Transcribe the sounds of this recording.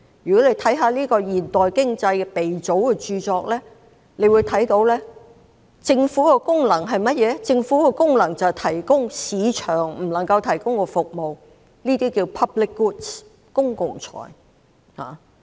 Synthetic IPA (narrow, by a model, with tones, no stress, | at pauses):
jyː˨kɔ˨˥le˨˧jt̪ʰɐ˨˥jɦaː˨˧˦liː˥kɔː˧jiː˨˩nt̪ɔː˨jkɪ˥ŋt͡sɐ˧jkɛ˧pe˨jt͡so˨˥wkɛ˧t͡ʃyː˧t͡sɔː˧k̚lɛː˥ | le˨˧jwuː˨˧jt̪ʰɐ˨˥jt̪o˨˥wlɛː˥ | t͡sɪ˧ŋfuː˨˥kɛ˧kʊ˥ŋlɐ˨˩ŋɦɐ˨jmɐ˥t̚jɛː˨˧t͡sɪ˧ŋfuː˨˥kɛ˧kʊ˥ŋlɐ˨˩ŋt͡sɐ˨wt̪ʰɐ˨˩jkʊ˥ŋsiː˨˧t͡ʃʰœː˨˩ŋm̩˨˩lɐ˨˩ŋkɐ˧wt̪ʰɐ˨˩jkʊ˥ŋkɔː˧fʊ˨k̚mo˨w | niː˥t̪iː˥kiː˧wpʰɐ˥plɪ˥kːuː˥ts | kʊ˥ŋkʊ˨˩ŋt͡ʃʰɔ̰ː˨˩j | ha̰ː˨˩